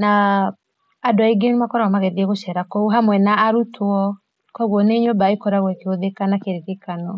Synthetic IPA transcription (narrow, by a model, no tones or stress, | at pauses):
naː | doaiɡenumakɔɾawamaɣɛðiɛɣoʃɛɾakɔuɦamwɛnaːɾutʰwɔ | kɔɣwɔneɲobaikɔɾaɣwɛkeoðekanakeɾekekanɔ